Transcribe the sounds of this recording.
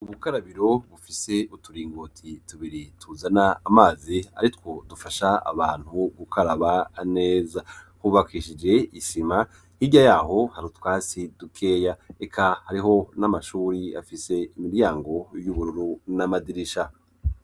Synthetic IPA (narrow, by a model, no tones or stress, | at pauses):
uβukaɾaβiɾo̞βufise̞utuɾiːŋɡotʰituβiɾitʰuzanaːmaːzia̰ɾitwo̞dufaʃaa̰βaːn̥huɡukaɾaβane̞ːza | huβakiːʃid͡ʒe̞iʃima | hiɟajaːɦo̞haɾutwaːsidukʰe̞ːjaekʰahaɾiɦo̞namaʃuːɾia̰fise̞imiɾjaːŋɡo̞juβuɾuɾunamadiɾiʃa